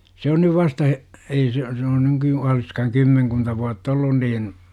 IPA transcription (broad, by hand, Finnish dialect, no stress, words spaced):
se on nyʋ ʋɑstɑ he̥ ei se se on nyky oliskɑhɑŋ kymːeŋkuntɑ ʋuɑtː olːun niːn